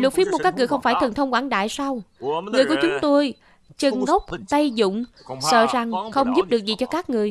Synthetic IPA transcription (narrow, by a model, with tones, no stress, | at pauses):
lu˨˩t̚fi˦˥pmo˨˩kaː˦˥kŋɨ˨əjxə˧wŋ͡mfaː˧˩jt̪ʰə˨˩nt̪ʰə˧wŋ͡mkwaː˧˩nɗa̰ː˧˨jsa˧wŋɨ˨˩əjku˧˩˦t͡ɕʊ˨˦ŋ͡mt̪o˧j | t͡ɕə˨˩nɣə˦˥wk͡p̚t̪a˧jzʊ̰˧˨ŋ͡m | sə̰ː˧˨za˨˩ŋxə˧wŋ͡mzu˦˥p̚ɗɨ˨˩ək̚zi˨˩t͡ɕɔ˧kaː˦˥k̚ŋɨ˨˩əj